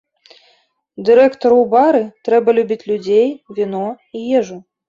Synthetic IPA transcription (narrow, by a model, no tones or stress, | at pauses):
d̪ɨɾɛkt̪ɔɾubaɾɨt̪ɾɛbɐlʲubʲit͡sʲlʲud͡zʲejvʲinɔ | ijɛʐu